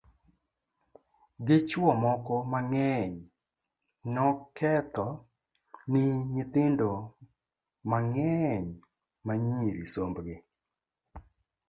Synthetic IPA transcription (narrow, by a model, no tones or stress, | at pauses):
ɡɪt͡ʃwɔmɔkɔmaŋɛɲ | nɔkʰɛt̪ɔ | nɪɲɪt̪ɪndo | maŋɛɲ | maɲiɾisombɡe